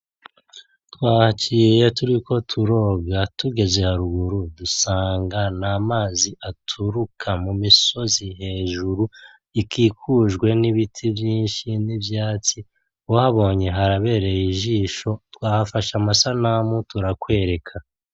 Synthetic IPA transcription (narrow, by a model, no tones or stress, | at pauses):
twaːhat͡ʃiːje̞tuɾiko̞tʰuɾo̞ːɡatuɡe̞ze̞haɾuɡuɾudusaːŋɡanamaːziʔatʰuɾukʰamumiso̞ziɦe̞ːʒuɾu | ikʰiːkʰuːʒɡwe̞niβitʰivjiːnʃinibjaːt͡si | wohaβo̞ːɲe̞ɦaɾaβe̞ːɾe̞jiʒiːʃo̞twaːhafaʃamasanamutuɾakwe̞ːɾe̞kʰa